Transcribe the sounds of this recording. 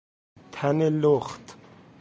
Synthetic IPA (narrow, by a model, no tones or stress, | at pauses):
t̪ʰaneloχt̪